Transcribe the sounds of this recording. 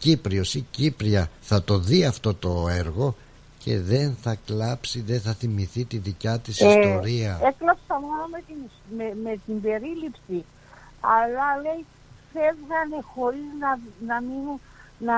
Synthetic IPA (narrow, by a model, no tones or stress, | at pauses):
cipɾio̞sicipɾiɐθɐt̪o̞ðiɐft̪o̞t̪o̞e̞ɾɣo̞ | ce̞ðe̞nθɐklɐpsiðeθɐθimiθit̪iðicɐt̪isist̪o̞ɾiɐeklɐpsɐmo̞nomet̪in | memet̪imbe̞ɾilipsi | ɐlɐle̞j | fevɣɐne̞xo̞ɾiznɐnɐminu | nɐ